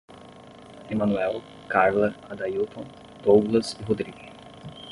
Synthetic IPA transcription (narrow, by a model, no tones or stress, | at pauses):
emɐ̃nuɛw | kaɾlɐɾad̪ajut̪õ | t̪oɡlɐsiɦod̪ɾiɡɪ